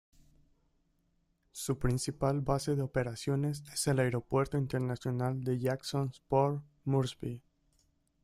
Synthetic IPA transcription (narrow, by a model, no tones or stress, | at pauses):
supɾinsipalbase̞ðeo̞pe̞ɾasjo̞ne̞sese̞laeɾo̞pwe̞ɾt̪oint̪eɾnasjo̞nald̪e̞ʝaksonspoɾ | muɾsbi